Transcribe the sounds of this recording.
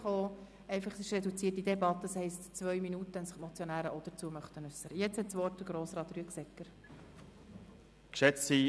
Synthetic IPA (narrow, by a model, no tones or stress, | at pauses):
χoː | ɛɪfɑχsɪʃrɛdut͡siːətːidebɑt̪ːəshɛɪstt͡svʋœʏminutəənsɪχmɔt͡sjonæːɾəʔɔd̥̪əɾt͡suəmœχt̪ənʉsːəɾəjɛt͡shɛtsʋɔrtd̥əɡ̥ɾoːsɾɑːt̪ryəksɛkːəɾ | kʃɛt͡si